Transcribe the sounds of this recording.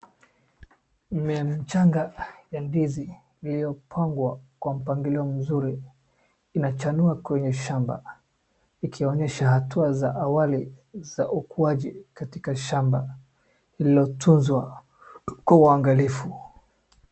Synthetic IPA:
mɛam̩t͡ʃaŋɡajandizi | ilijɔpʰaŋɡwakwam̩paŋɡiliɔm̩zuɾiː | nat͡ʃanuakwɛɲɛʃamba̰ | ikʰiɔɲɛʃahatuazaʔawaliz̥aʔukuaʄikatikaʃamba | iliɔtʰunzwa | kwauaŋɡalifu

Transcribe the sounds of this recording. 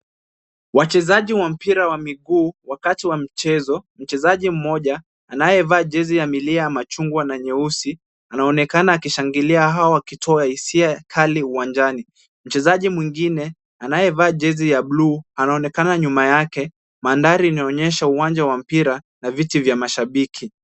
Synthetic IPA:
wat͡ʃɛzaʄiwam̩piɾawamiɠuːwakatiwam̩t͡ʃɛzɔm̩t͡ʃɛzaʄim̩mɔʄaː | najɛvaːʄɛzijamiliajamat͡ʃuŋɡwanaɲɛusi | anaɔnɛkanaːkiʃaŋɡiliaɦaɔakitʰɔaisiakʰaliuwand͡ʒani | m̩t͡ʃɛzaʄimwiŋɡinɛ | anajɛvaːʄɛzijaɓluːanaɔnɛkanaɲumajakɛ | mandaɾiːnaɔɲɛʃauwand͡ʒawam̩piɾa | navitivjamaʃaɓikʰi

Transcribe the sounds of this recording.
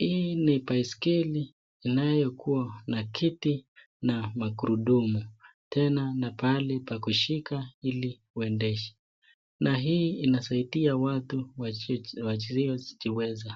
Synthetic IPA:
hinipaiskiliː | najɔkʰuanakʰiti | namakuɾuɗumu | tʰɛnanapalɛpakuʃikaili | uɛndɛʃɛ̥ | naɦiːinasaitiawatuwwat͡ʃiziɔzit͡ʃiwɛza

